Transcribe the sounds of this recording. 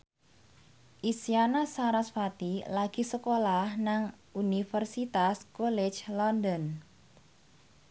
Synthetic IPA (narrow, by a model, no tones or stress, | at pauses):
ʔisianasaɾasfat̪ilaɡ̥i̤səkolahnaŋʔunifərsit̪askɔlɛt͡ʃlɔndɔn